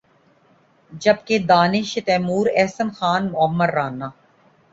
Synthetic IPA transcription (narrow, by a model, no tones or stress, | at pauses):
d͡ʒɐb̚ked̪aːnɪʃet̪ɛːmuːɾɛːsənxaːnmʊəmːəɾːaːnːaː